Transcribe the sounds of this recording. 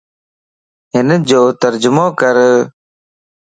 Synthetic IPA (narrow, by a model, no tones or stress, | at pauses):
ɦɪnd͡ʒoːt̪əɾd͡ʒʊmõːkəɾ